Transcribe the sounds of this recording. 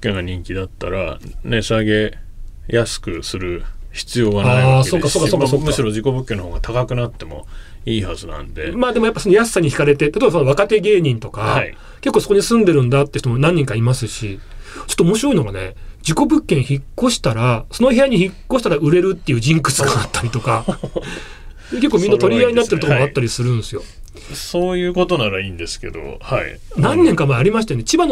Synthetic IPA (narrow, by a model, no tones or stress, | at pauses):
kːẽŋɡaɲ̟ĩŋkʲid̪at̪ːaɾa̰nesaɡe̞ | jasɨ̥kɯ̟sɨɾɯ̟çi̥t͡sɨjo̞ːɡanaiseokːasokːaoːsokːɯɕiɾo̞d͡ʑiko̞bɯ̟kːenːohoːɡat̪ʰakakɯ̟nat̪ːe̞mo̞̰ | iːhazɨnã̰nd̪e̞̰maːd̪e̞mo̞japːasonojasːaɲ̟içi̥kaɾe̞t̪e̞t̪at̪obasonakat̪e̞ɡe̞ːɲ̟ĩnt̪o̞kai | ke̞kːoso̞ko̞ɲ̟isɨ̃nd̪e̞ɾɯ̟̃nd̪at̪ːeiɯ̟̥t̪omonãɲ̟ːĩŋkaimasɨɕit͡ɕo̥t̪ːoːmo̞ɕiɾo̞ino̞ɡa̰ne̞̰d͡ʑiko̞bɯ̟kːẽ̞ɰ̃çikːo̞ɕi̥t̪aɾaso̞nohe̞jaɲ̟içikkːo̞ɕi̥t̪aɾaɯ̟ɾe̞ɾɯ̟t̪ːe̞iɯ̟ːd͡ʑĩŋkɯ̥t͡sɨɡaːt̪ːaɾʲit̪o̞ka | ke̞kːoːmʲĩnːat̪o̞ɾʲiaɲinat̪eɾt̪okomoat̪ːaɾʲisɨɾɯ̟̃nsɨjo̞ | soːjɯ̟ːko̞t̪o̞naɾaiːnd̪e̞sɨ̥ke̞̰d̪o̞̰ha̰ḭ | nãnːẽŋkamaaɾʲimaɕi̥t̪ajonet͡ɕibano